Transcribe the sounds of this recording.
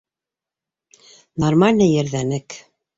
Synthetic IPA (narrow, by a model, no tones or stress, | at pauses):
normalʲnɤjɘ̆ɾðænɘk